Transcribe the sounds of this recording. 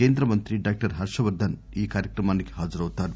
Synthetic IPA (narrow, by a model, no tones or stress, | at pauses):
eːnd̪ɾɐmɐnt̪ɾiɖaːk̚ʈɐɾɦɐɾʂɐʋɐɾd̪ʱɐn | iːkaːɾjɐkɾɐmaːniɡe̥ɦaːd͡ʒɐɾɐʋut̪aːɾu